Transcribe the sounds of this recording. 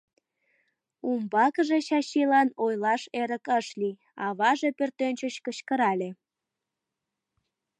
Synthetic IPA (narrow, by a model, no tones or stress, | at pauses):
umbɑkəʒeɕɑɕilɑnojlɑʃeɾəkəʃli | ɑβɑʒe̽pørt̪ønʲt͡ɕət͡ɕkəɕkəɾɑlʲe